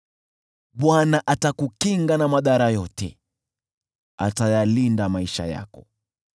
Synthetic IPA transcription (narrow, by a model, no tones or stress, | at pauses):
ɓwanaʔatakukiŋɡanamaɗaɾajɔtɛ̰ | a̰tajalindamaiʃa̰ja̰kɔ